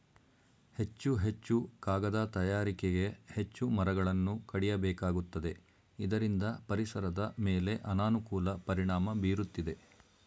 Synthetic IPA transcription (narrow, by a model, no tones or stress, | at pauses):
he̞t͡ʃːuɦe̞t͡ʃːukaːɡɐd̪aːt̪ɐjaːɾikeɡe̞het͡ʃːumɐɾɐɡɐɭɐnːukɐɽijɐbɛːkaːɡut̪ːɐd̪e̞ | id̪ɐɾind̪ɐpɐɾisɐɾɐd̪ɐmeːle̞ʔɐnaːnukuːlɐpɐɾiɳaːmɐbiːɾut̪ːid̪e̞